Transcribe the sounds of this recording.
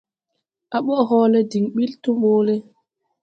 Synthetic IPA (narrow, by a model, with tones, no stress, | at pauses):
ʔa˨ɓɔ˦ʔɦɔː˦lɛ˦di˨ŋɓi˦ltu˦ɓoː˦lɛ˦